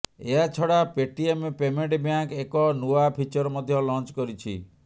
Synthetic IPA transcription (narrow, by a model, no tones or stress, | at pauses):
eɦat͡ʃʰɔɽapeʈiempemeɳʈbjaŋkekɔnuapʰit͡ʃɔɾɔmɔd̪ʱjɔlɔnt͡ʃkɔɾit͡ʃʰḭ